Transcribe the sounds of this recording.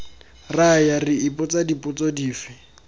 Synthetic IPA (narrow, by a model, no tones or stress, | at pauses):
rajarɪɪpʊt͡sadipʼʊt͡sɔdiːfɪ